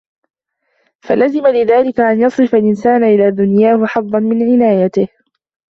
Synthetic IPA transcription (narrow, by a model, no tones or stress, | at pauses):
falazɪmalɪðaːlɪkaʔanjɑsˤɾɨfalʔɪnsaːnʔɪlaːd̪ʊnjaːhʊħɑðˤːɑnmɪnʕɪnaːjat̪ɪh